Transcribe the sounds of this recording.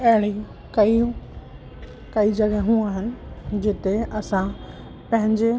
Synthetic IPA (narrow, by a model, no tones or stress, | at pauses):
ɐɦɪɽ̃i | kɐi | kɐid͡ʑɐɡəɦũːaːɦɪnɪ̆d͡ʑɪt̪eɐsã | pɐ̃ɦɪ̃ɲd͡ʑe